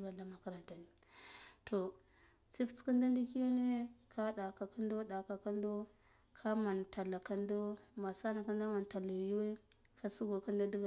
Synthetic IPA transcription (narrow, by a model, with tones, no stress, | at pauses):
ɡa˨la˨ma˨ka˨ɾa˨nta˨ni˨tʰo˨ | t͡si˦ft͡ski˦nda˦ndi˦ki˦ja˦ne˦kʰa˦ɗa˨ka˨ka˦ndo˦ɗa˨ka˨ka˦ndo˦ | kʰa˦ma˨nta˨la˨ka˦ndo˦ma˨sa˦na˨ki˦n˦da˦ma˨nta˨la˨ju˦we˦kʰa˦su˦ɡo˨ku˦nda˦di˦ɡ